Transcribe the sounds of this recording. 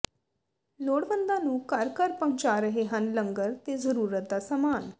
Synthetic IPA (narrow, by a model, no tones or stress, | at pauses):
loːɽʋənd̪ãːnũːkəɾkəɾpəʊ̃nt͡ʃaːɾəɦeːɦənləŋɡəɾt̪eːzəɾuːɾət̪̚d̪aːsaːmaːn